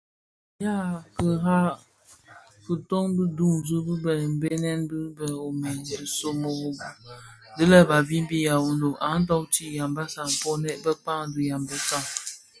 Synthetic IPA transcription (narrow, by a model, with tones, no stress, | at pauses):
ja˦˨kə˨ɦa˦ | fɨ˨to˦ŋ˦du˦du˦˨ŋ˨zu˦bɨ˦bə˨m̩˨˦be˦nɛ˦n˦dɨ˦bə˨o˨mɛ˨ndɨ˨so˨mo˨˦dɨ˦lə˦ba˨vi˦m˦bi˦ja˨u˨n˨do˨ʔa˨˦n̩˦dɔ˦wti˦˨ja˨mba˦sa˨ŋ̩˨pɔ˦nɛ˦ʔbə˦k͡pa˦ŋ˦du˦ja˨mbə˦sa˦˨ŋ